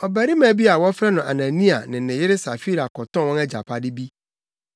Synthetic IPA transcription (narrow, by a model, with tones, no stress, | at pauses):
ɔ˨bæ˨ɾi˦mã˨˦˨bi˦a˨wɔ˦fɾɛ˦nʊ̃˨ʔa̰˨nã˨nĩ˦a̰˨nɪ̃˨nɪ̃˨jɪ˦ɾɪ˦sa˨fi˦ɾa˨kɔ˨tɔ̃˦˨wɔ̃˦nɛ˦d͡ʑa̰˨pʰa˦dɪ˦bi˦